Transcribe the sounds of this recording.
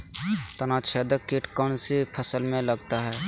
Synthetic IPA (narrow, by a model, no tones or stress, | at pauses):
t̪ənat͡ʃʰeːd̪əkeʈkɔːnsipʰəsəlmẽləɡt̪aɦɛː